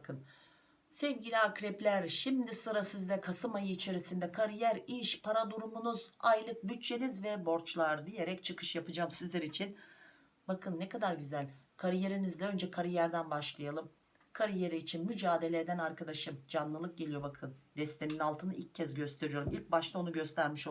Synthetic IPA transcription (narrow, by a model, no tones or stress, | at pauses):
kʰɯn | sɛvɟilʲiakɾɛplʲæɾʃimd̪isɯɾasizd̪ɛkʰasɯmajɯit͡ʃʰe̞ɾisind̪ɛkʰaɾijæɾiʃpʰaɾad̪uɾumunuzajlˠɯk̚byt͡ʃt͡ʃʰːe̞nizvɛbo̞ɾt͡ʃlˠaɾd̪ije̞ɾɛct͡ʃʰɯkʰɯʃjapɯd͡ʒaːmsizlʲɛɾit͡ʃʰin | bakʰɯnːɛkʰad̪aɾɟyzælʲkʰaɾije̞ɾinizd̪ʲɛø̞nd͡ʒɛkʰaɾijæɾd̪ænbaʃlˠajalˠɯm | kʰaɾije̞ɾiːt͡ʃʰinmyd͡ʒaːd̪e̞lʲed̪ænaɾkʰad̪aʃɯmd͡ʒanlˠɯlˠɯk̚ɟe̞lʲijo̞bakʰɯnd̪ɛst̪ʰeninalˠt̪ʰɯnɯʔilcʰːɛzɟø̞st̪ʰe̞ɾijo̞ɾumilʲc̚baʃt̪ʰˠao̞nuɟø̞st̪ʰæɾmiʃ